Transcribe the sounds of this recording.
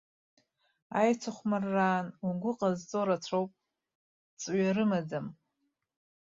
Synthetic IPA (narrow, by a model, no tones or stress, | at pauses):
ajt͡sʷʰaχʷmɨrːaːnuɡʷʊqʼazt͡sʼoɾat͡sʷʰowpʼ | t͡sʼɥaɾɨmad͡zam